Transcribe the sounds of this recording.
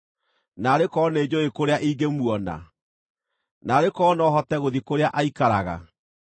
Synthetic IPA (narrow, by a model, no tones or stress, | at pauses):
naːɾekɔːneːd͡ʑoekoɾeaʔiːɡemwɔna̰ | naːɾekɔːnɔɦɔtɛɣoðikoɾeaʔaikaɾaɣa̰